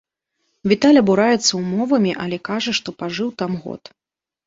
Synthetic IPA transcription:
vʲit̪alʲɐbuɾajɛt̪sːɐwmɔvɐmʲiʔɐlʲɛkaʐɐʂt̪ɔpaʐɨwt̪amɣɔ̰t̪

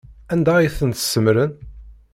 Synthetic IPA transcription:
ænd̪æjiθənt̪ə̥səmɾən

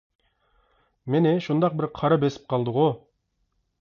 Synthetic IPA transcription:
menɪʃund̪ɑq̚bɪɾqʰɑɾɑbesɪ̥p̚qʰɑlˠd̪əʁu

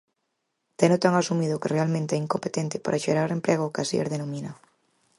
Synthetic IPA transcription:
t̪ɛnʊt̪aŋasumiðʊkerealmẽnt̪eɛiŋkompet̪ɛnt̪ɪ̥pa̰ɾʔaʃeɾaɾempɾɛɣʊːkasḭḛɾðenomĩna

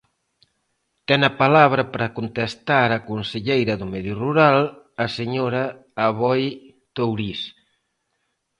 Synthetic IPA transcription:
t̪ɛnɐpalaβɾɐpɾɐkont̪est̪aɾɐkonseʎejɾɐðumɛðjuruɾalː | seɲoɾɐ | aβɔj | t̪owɾis

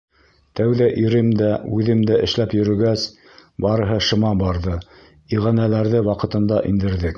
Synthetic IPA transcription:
t̪æwðæʔiɾɘmd̪æʉðɘmd̪æʔɘ̆ʃlæpjɵ̆ɾɵ̆ɡæs | bɑɾɤ̆ɦɤʃɤ̆mɑbɑɾðɤ | iʁænælæɾðɘwɑqɤ̆t̪ɤ̆nd̪ɑʔind̪ɘ̆ɾðɘk

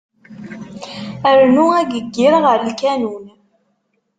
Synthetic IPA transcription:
əɾnuæɡəɡːɪɾʁəɾəlkænun

